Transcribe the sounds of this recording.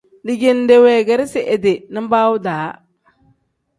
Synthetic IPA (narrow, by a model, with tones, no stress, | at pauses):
dɪ˨ɡe˨n˨de˨wɛ˨ɡɛ˨ɾɪ˦sɪ˨ʔe˨dɪ˨nɪ˦m˦baː˦wʊ˦daː˨˦